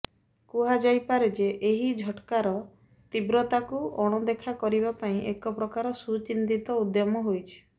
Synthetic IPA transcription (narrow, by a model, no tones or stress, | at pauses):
kuɦad͡ʒajpaɾed͡ʒeʔeɦid͡ʒʱɔʈkaɾɔ | t̪ibɾɔt̪akuɔɽ̃ɔd̪ekʰakɔɾibapaĩʔekɔpɾɔkaɾɔsut͡ʃind̪it̪ɔud̪jɔmɔɦojt͡ʃʰi̥